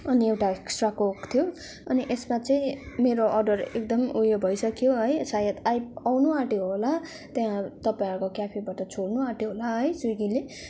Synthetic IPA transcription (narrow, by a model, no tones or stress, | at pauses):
ʌniewʈaeksʈrakokt̪ʰijo | ʌniʔesmat͡sʌĩmeɾoʔʌrɖʌrek̚d̪ʌmujobʱʌjsʌkjoɦʌjsajʌt̪ajp̚awnuaʈiɦola | t̪jãt̪ʌpaĩʌɾukokjapʰibaʈʌt͡sʰoɽnuaʈiɦolaɦʌjsuɡile